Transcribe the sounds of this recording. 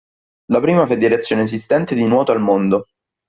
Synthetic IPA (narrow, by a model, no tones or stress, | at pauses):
lapɾiːmafed̪ːiɾet̪sːjoːneez̬ist̪ɛnt̪ed̪inwɔːt̪oalmond̪o